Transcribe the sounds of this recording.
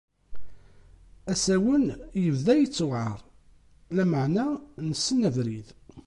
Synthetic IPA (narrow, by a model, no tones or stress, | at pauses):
æsæwənjəvðæjət͡sːʊʕəɾˤ | læməʕnænəsːənævɾið